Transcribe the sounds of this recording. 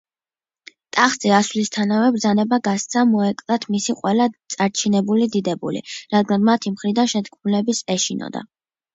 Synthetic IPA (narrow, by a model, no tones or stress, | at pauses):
t̪ʼaχzʼiaswlist̪ʰanavɛbɾd̪zanɛbaɡast̪sʰamɔɛkʼlat̪ʰmisiqʼwɛlat̪sʼaɾt͡ʃʰinɛbulid̪id̪ɛbṵlḭɾad̪ɡanmat̪ʰimχɾid̪anʃɛt̪kʰmulɛbisɛʃinɔ̰d̪a̰